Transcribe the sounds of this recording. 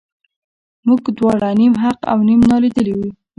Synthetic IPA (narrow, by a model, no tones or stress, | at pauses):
muɡd̪wɑɽanimɦaqa̰wnimnɑlid̪əliwu